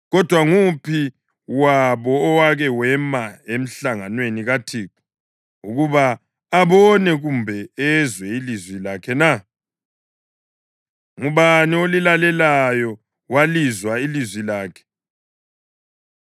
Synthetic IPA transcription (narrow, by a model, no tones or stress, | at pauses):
ɣɔd̥ʱwaŋupʰi | waβɔːwaɣɛwɛmaem̩ɬaŋanweniɣatʰiːku̥ | uɣuβaː | βɔnɛɣumbʱɛɛzwɛilizwilakʰɛna | ŋuβaniolilalɛlajɔ | walizwailizwilaːkʰɛ̥